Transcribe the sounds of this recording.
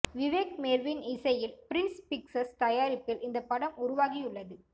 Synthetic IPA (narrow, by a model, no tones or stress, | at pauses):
ʋɪʋeːk̚meːɾʋɪnɪsɐjɪlpɪɾɪnspɪksɐst̪ɐjaːɾɪpːɪlɪnd̪ɐpːɐɽɐmʊɾʊʋaːɣɪjʊɭːɐðɯ